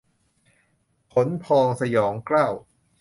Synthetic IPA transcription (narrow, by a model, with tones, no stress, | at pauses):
pʰo˩˦npʰɔː˧ŋsa˧jɔː˩˦ŋklaː˥˩w